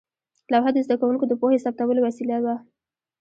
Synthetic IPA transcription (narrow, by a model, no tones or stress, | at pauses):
lawɦad̪əzd̪akawuŋkod̪əpohesap̚t̪awəlowasilawa